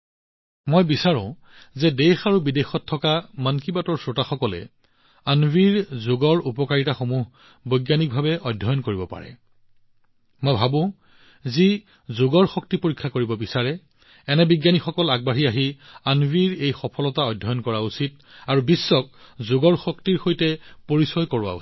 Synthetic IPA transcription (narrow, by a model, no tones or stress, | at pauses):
mojbisaɹɔ̰̃ | zɛdexaɹubidexɔtʰːɔkamankibatɔɹsotaxɔkɔlɛ̰ | anwiɹzoɡɔɹupɔkaɹitaxomuɦ | bojɡjanik̚bʱabɛʔɔjdʱːɔjɔnkoɹibɔpa̰ɹɛ̰ | mojbʱabʊ̃ | zi | zʊɡɔɹxɔk̚tipoɹikʰːakoɹibɔbisaɹɛ | ɛnɛbiɡjanikxɔkɔlaɡ̚baɦiaɦianwiɹejxɔpʰɔlɔtaɔjdʱːɔjɔnkɔɹausit | aɹubisːɔk̚ | zʊɡɔɹxɔk̚tiɹxojtɛpoɹisɔjkɔɹʊwa̰u